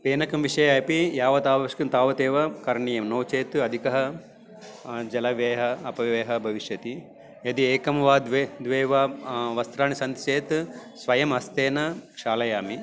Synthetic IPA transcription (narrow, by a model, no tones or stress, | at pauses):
peːnɐkɐmʋiʂɐjaɐpijaːʋɐt̪aːʋɐɐʂkɐnt̪aːʋɐt̪eːʋɐkɐɾɳijɐmnoːt͡ʃeːt̪ɐd̪ʱikɐɦɐ | d͡ʒɐlɐʋeːɦɐɐpɐʋeːɦɐbʱɐʋiʃjɐt̪i | ɐd̪ieːkɐmɐʋaːd̪ʋed̪ʋeːʋaʋɐst̪ɾaːnisɐnt̪i̥t͡ʃeːt̪sʋɐjɐmɐst̪eːnɐkʂaːlɐjaːmi